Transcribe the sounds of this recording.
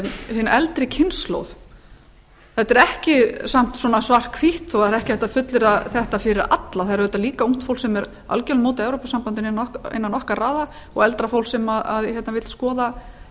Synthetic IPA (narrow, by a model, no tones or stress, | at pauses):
hɪnːɛlt̪ɾɪcʰɪnslo̰wð | θɛt̪ɛɾɛhcɪsam̥t̪swɔːnasvar̥kʰviht̪ɔɛɾɛhcɪθɛ̥t̪ːafʏt̪lɪɾaðθɛht̪afɪɾɪɾa̰t̪laθaðɾvɛːt̪ːaliːkauŋ̥t̪fowlsɛmɛɾ | a̰lcœlmoːwt̪ɪɛwɾopasampant̪ɪnnːɔɪ̰nːanːɔhkaraːða | ɔ̰ɣɛlt̪ɾafowlsɛmaða̰ðçɛt̪navɪlskɔːða